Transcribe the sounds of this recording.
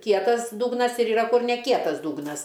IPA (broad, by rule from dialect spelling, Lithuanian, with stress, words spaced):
ˈkʲiɛtɐs ˈdʊɡnɐs ɪr ɪˈrɐ ˈkʊr nʲɛ ˈkʲiɛtɐs ˈdʊɡnɐs